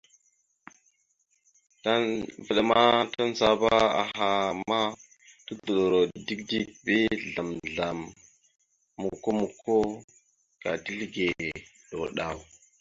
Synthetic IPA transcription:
ta˦va˨ɗa˨ma˦ta˦n˦za˦ba˦a̰˨ɦa˨ma˦ | tu˦du˨lo˨ɾo˨di˦kdi˦k̚be˦ɮa˨mɮa˨m | u˨kːo˦mu˨kʰːo˦ | ka̰˨ti˦ɮɡe˨ | ɗo̰˨ɗa˨w

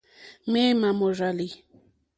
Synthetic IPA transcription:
me˦ma˨mo˨ʐa˨li˨

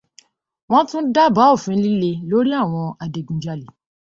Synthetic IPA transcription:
w̃ɔ̃˦tũ˦da˦ba˨˦o˦˨fĩ˦li˦le˧lo˦ɾi˦a˦˨w̃ɔ̃˧a˨de˨ɡũ˨d͡ʒa˨li˨

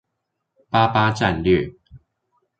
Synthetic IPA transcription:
pa˥pa˥ʈ͡ʂa˥˧nlɥø˥˩

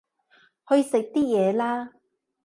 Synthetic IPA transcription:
hɔ˨˧jiː˨˧sɪ˨k̚t̪iː˥jɛː˨˧laː˥

